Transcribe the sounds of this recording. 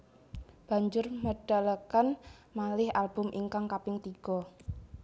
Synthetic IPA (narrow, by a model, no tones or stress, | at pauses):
b̥a̤ɲd͡ʒʊrməɖ̥a̤lakanmalɪhʔalb̥ʊmʔiŋkaŋkapɪŋt̪iɡ̥ɔ̤